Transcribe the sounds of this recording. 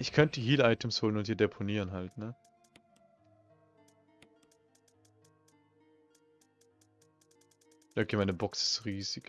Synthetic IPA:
ʔɪçkʰœntd̥ihiːlʔaɪtʰəmshoːlənʊnthiːɐdepʰoniːʁənɦaltnə | ʔɐ̥imaɪnəbɔksɪ̥sʁiːzɪɡ

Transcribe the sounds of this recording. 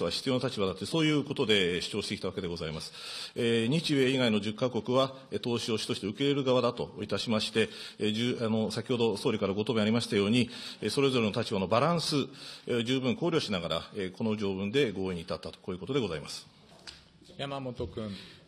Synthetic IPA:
βaçi̥t͡sɨjo̞nat̪at͡ɕibad̪at̪ojso̞ːjɯ̟ːko̞t̪o̞d̪e̞ɕi̥t͡ɕo̞ːɕi̥t̪eki̥t̪aβake̞d̪e̞ɡo̞zaimasɨ̥eɲ̟it͡ɕie̞iɡaino̞ʑɨkːako̞kɯ̟βa | et̪o̞ːɕio̞ːɕi̥t̪o̞ɕit̪e̞ɯ̟ke̞ɾe̞ɾɯ̟ɡaβad̪at̪o̞it̪aɕimaɕi̥t̪e̞d͡ʑɨano̞sakʲiho̞d̪o̞so̞ːɾʲikaɾaɡo̞t̪o̞beaɾʲimaɕi̥t̪ajo̞ːɲ̟ieso̞ɾe̞zo̞ɾe̞not̪at͡ɕibano̞baɾãɰ̃sɨd͡ʑɨːbɯ̟̃ŋko̞ːɾʲo̞ːɕinaɡaɾa̰eko̞no̞ʑo̞ːbɯ̟̃nd̪e̞ɡo̞ːeɲ̟it̪at̪ːat̪o̥ko̞ːjɯ̟ko̞t̪o̞d̪e̞ɡo̞zaimasɨ̥ | jamamot̪okɯ̃ɴ

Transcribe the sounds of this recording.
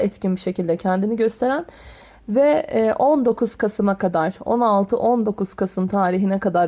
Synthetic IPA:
ɛt̪cinbiʃe̞cilʲd̪ɛcʰɛnd̪iniɟø̞st̪ʰe̞ɾæn | vɛʔo̞nd̪o̞kʰuz̥kʰasɯmakad̪aɾ̥o̰nalˠt̪ʰɯʔo̞nd̪o̞kʰuz̥kʰasɯmt̪ʰaːɾiɦinɛkad̪aɾ

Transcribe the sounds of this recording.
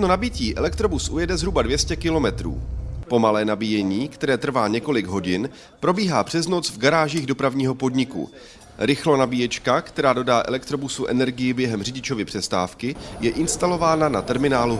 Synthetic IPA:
t̪nonabɪciːʔɛlɛkt̪ɾo̞busʔṵjɛdɛzɦɾubadvjɛscɛkɪlo̞mɛt̪ɾṵːpo̞malɛːnabijɛɲiːkt̪ɛɾɛːt̪r̩vaːɲɛko̞lɪɡɦo̞ɟɪn | pɾo̞biːɦaːpr̝̥ɛzno̞t͡svɡaɾaːʒiːɣdo̞pɾavɲiːɦo̞po̞dɲɪkṵ | ɾɪxlo̞nabijɛt͡ʃkakt̪ɛɾaːdo̞daːʔɛ̰lɛkt̪ɾo̞busuʔɛ̰nɛɾɡɪjɪbjɛɦɛmr̝ɪɟɪt͡ʃo̞vɪpr̥ɛst̪a̰ːfkɪjɛʔɪnst̪alo̞vaːnanat̪ɛɾmɪnaːlu

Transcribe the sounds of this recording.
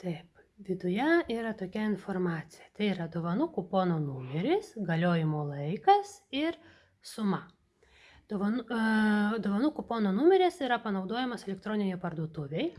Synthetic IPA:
t̪ɐɪp | ʋʲɪd̪ʊjɛiːɾɐt̪oːkʲɛɪnfoːrmɑːt̪sʲɪjɛt̪ɐɪiːɾɐd̪oʋɐnʊkupoːnoːnuːmʲɛɾʲɪsɡɐlʲoːjɪmoːlˠɐɪkɐsɪɾ | sʊmɐ | d̪oːʋɐnʊ | d̪oːʋɐnʊkuːpoːnoːnʊmʲɛɾʲɪsiɾɐpɐnɐʊd̪oːjɛmɐsɛlʲɛkt̪ɾoːnʲɪnʲɛɪpɐɾd̪uɔt̪ʊʋʲɛɪ

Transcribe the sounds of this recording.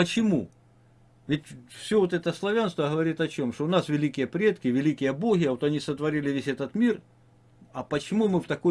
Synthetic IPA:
pət͡ɕɪmu | vʲɪtʲfsʲovot̪ɛt̪əslˠɐvʲanst̪vəɦəvɐɾʲit̪ɐt͡ɕo̞mʂt̪oʊnasvʲɪlʲikʲɪjəpɾʲe̞t̪kʲɪvʲɪlʲikʲɪjəboɣʲɪjɐʋot̪ɐnʲisət̪vɐɾʲilʲɪvʲesʲɛt̪ət̪mʲir | ɐpət͡ɕɪmumɨft̪ɐko

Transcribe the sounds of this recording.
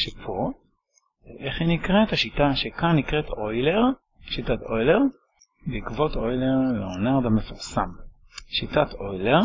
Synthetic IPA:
ʃepʰo | ʔeχhinikʁethaʃitaʃekanːikʁet̪ʰo̞jleʁ | ʃitato̞jleʁ | beikvo̞t̪ojleʁleonaʁd̪amefuʁsam | ʃitatʰo̞jleʁ

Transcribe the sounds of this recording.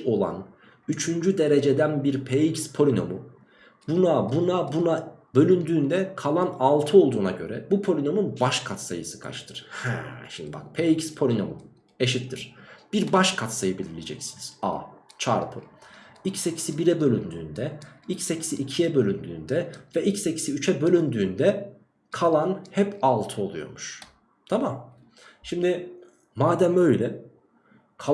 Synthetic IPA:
o̞lˠa̰n | yt͡ʃʰynd͡ʒyd̪e̞ɾe̞d͡ʒe̞d̪ænbiɾpʰeicspʰo̞lʲino̞mu | bunabunabunabø̞lʲynd̪yːnd̪ɛkʰalˠanalˠt̪ʰɯo̞lˠd̪uːnaɟø̞̰ɾɛ̰bupʰo̞lʲino̞munbaʃkʰat̪sa̰jɯsɯ̥kʰa̰t͡ʃt̪ʰɯɾ̥hæ̰ʃimd̪ḭba̰k̚pʰeicspʰo̞lʲino̞̰mṵ | eʃit̪ːiɾ̥b̥iɾbaʃkʰat̪sajɯbilʲilʲed͡ʒɛ̰csiniz̥a̰t͡ʃʰaːɾpʰɯicsecʰi̥sibiɾɛbø̞lʲynd̪yːnd̪ɛicsecʰi̥siʔːcʰijɛbø̞lʲynd̪y̰ːnd̪ɛvɛʔicseci̥siyt͡ʃʰɛbø̞lʲynd̪yːnd̪ɛ | kʰalˠanhɛpalˠt̪ʰɯo̞lˠujo̞̰ɾmuʃ | t̪ʰamam | ʃimd̪ɪ | maːd̪æmø̞jlʲɛ | kʰa

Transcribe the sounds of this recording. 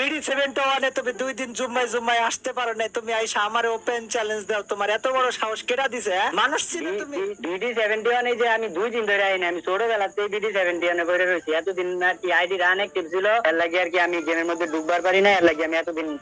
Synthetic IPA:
biɖisebʱeɳʈoanet̪umid̪ujd̪inzumːajzumːajaʃt̪epaɾonajt̪umiajʃaamaɾeopent͡ɕɛlend͡ʑd̪eot̪omaɾɛt̪obɔɽoʃaɦoʃkeʈad̪isʰeɛ̃manuʃt͡ɕʰilet̪umiiɖiɖisebʱeɳʈiɔnejd͡ʑeamid̪ujd̪ind̪ʱojɾeainaamisoɽobɛlatːejbiɖisebʱeɳʈiɔnekojɾeɾojt͡ɕʰiɛt̪od̪inaɾkiajɖiɾanɛk̚ʈipsiloɛɾlaɡiaɾk̬iamiɡemeɾmod̪ʱːeɖuɡbaɾpaɾinaɛɾlaɡiamiɛt̪od̪in

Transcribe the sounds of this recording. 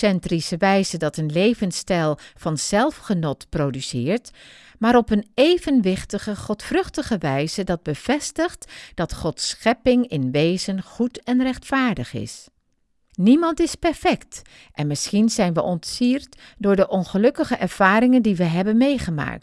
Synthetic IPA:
sɛntrisəʋɛjzədɑtənlejvənstɛlˠv̥ɑnz̥ɛlˠfχənɔtprowdysɪːɹt | maːɾɔpənejvənʋɪχtəχəχɔtfrɵχtəχəʋɛjzədɑd̚bəv̥ɛstəχtd̥ɑtχɔtsχɛpɪŋɪnʋejzənχutɛnrɛχtfaːɹdəχɪ̰s | nimɑntɪspɛɹfɛkt | ʔɛnmɪsχinzɛjnʋəʔɔntsiːɹtdʊːɹdəʔɔnχəlɵkəχəʔɛɹv̥aːrɪŋəndiʋəɦɛbənmejχəma̰ːk̚t

